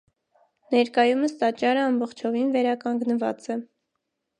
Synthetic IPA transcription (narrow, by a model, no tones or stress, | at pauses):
nɛɾkɑjuməst̪ɑt͡ʃɑɾəɑmbɔχt͡ʃʰɔvinvɛɾɑkɑŋɡnəvɑ̰t͡sɛ